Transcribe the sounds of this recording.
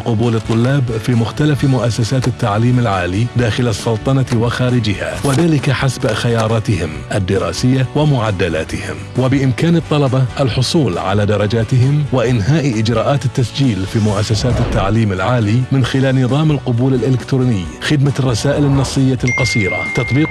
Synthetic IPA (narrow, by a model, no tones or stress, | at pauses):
qʊbuːlɨt̪ˤːʊlːaːbfiːmʊxt̪alafmʊʔasːasaːt̪ɪt̪ːaʕliːmɪlʕaːlid̪aːxɪlɑsˤːɑlt̪ˤɑnɑwɪxaːɾɪd͡ʒɪha̰wɪðaːlɪkaħasbxajɑːɾˤɑːt̪ɪhɪmʔad̪ːɪɾˤɑ̰ːsɪjːawɪmʊʕad̪ːala̰ːt̪ɪhɪ̰mwɪbɪʔɪmkaːnɨt̪ˤːɑlɑbɑʔalħʊsˤuːlʕa̰lad̪ɑɾˤɑd͡ʒaːt̪ɪɦɪmwɪʔɪnɦaːʔʔɪd͡ʒɾˤɑːʔaːt̪ɪt̪ːasd͡ʒiːlfiːmʊʔasːasaːt̪ɪt̪ːaʕliːmɪlʕaːlimɪnxɪlaːlnɨðˤɑːmɪlqʊbuːlɪlʔɪlɪkt̪ɾuːnɪjːxɪd̪marˤːɑsaːʔɪlɪnːɑsˤːɨjːalqɑsiːɾa̰t̪ɑt̪ˤbiːq